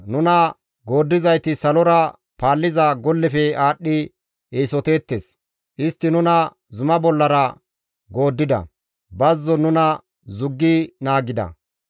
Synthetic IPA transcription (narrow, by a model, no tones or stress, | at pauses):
nʊnɐ | ɡo̞ːd̪ːɪzɐjt̪ɪsɐlɔɾɐ | paːlːɪzaɡɔlːɛfɛaːɗːɪ | eːsɔt̪e̞ːt̪ːes | ʔɪst̪ːɪnʊnɐ | zʊmɐbɔlːɐɾɐ | ɡo̞ːd̪ːɪd̪ɐ̰ | bɐzːɔnʊnɐ | zʊɡːinaːɡɪd̪ɐ̰